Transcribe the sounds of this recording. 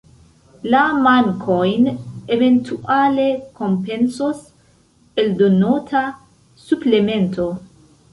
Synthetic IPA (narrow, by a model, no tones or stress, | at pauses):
lamaŋkʰojnevent̪ʰuʔalekompensos | eld̪onot̪ʰa | suplement̪ʰo̞